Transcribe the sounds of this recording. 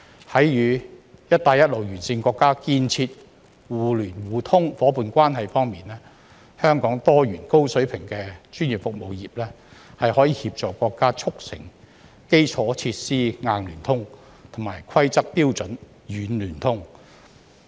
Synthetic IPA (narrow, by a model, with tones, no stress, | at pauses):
hɐ˨˥jjyː˨˧jɐ˥t̚t̪aː˨˧jɐ˥t̚lo˨˩wjyː˨˩nsiː˧ŋkʷɔː˧kːaː˥kiː˧nt͡sʰiː˧t̚ | wuː˨lyː˨˩nwuː˨t̪ʰʊ˥ŋfɔː˨˥puː˨˧nkʷaː˥nɦɐ˨jfɔː˥ŋmiː˨nlɛː˥ | hœː˥ŋkɔː˨˥ŋt̪ɔː˥jyː˨˩nko˥wsɵ˨˥ɥpʰɪ˨˩ŋkɛː˧t͡ʃyː˥nji˨pfʊ˨k̚mo˨wjiː˨p̚lɛː˥ | hɐ˨jhɔː˨˥jiː˨˧hiː˧p̚t͡sɔː˨kːʷɔː˧kːaː˥t͡ʃʰʊ˥k̚sɪ̰˨˩ŋ | ke˥jt͡sʰɔː˨˥t͡sʰiː˧t̚siː˥ŋaː˧nlyː˨˩nt̪ʰʊ˥ŋ | t̪ʰʊ˨˩maː˨˩jkʰɐ˥jt͡sɐ˥k̚t̪iː˥wt͡sɵ˨˥n | jyː˨˥nlyː˨˩nt̪ʰʊ˥ŋ